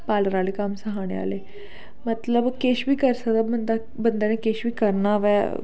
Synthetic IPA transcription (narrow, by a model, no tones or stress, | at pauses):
paləɾalekamsəɦaɽ̃ḛa̰le | mət̪ləbkeɕbiːkəɾsəd̪abmənd̪a | bənd̪ənẽkeɕʋiːkəɾnaʋɛ